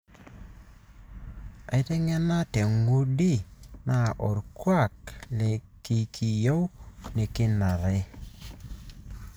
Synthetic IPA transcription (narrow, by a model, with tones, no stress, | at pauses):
a˨ɪ˦tɛ˦ŋɛ˦na˦tɛ˨ŋɡu˦di˦˨na˨ʔɔ˨ɾkwa˦˨klɛ˨ | ki˨kʰi˨jo˦wne˨kɪ˦na˨ɾɛ˦